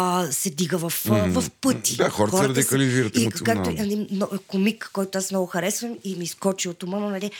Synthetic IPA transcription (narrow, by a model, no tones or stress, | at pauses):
sɛd̪iɡəvɐfvɐfpɤt̪i̥d̪axɔɾtɔɾɾɐd̪ikɐliviɾət̪ikak̚t̪ʊɐninɔkomikːɔjt̪oasmnɔɡʊxɐɾɛsvɐmimiːskɔt͡ʃiot̪ʊmənənɐlʲi